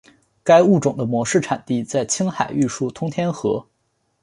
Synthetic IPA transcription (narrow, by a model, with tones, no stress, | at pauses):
ka˥ɪu˥˩ʈ͡ʂʊ˨˩ŋd̪ə˦mwɔ˧˥ʂɻ̩˥˩ʈ͡ʂʰa˨˩nt̪i˥˧t͡sa˥˩ɪt͡ɕʰi˥ŋxa˨˩ɪy˥˧ʂu˥˩t̪ʰʊ˥ŋt̪ʰjɛ˥nxɤ˧˥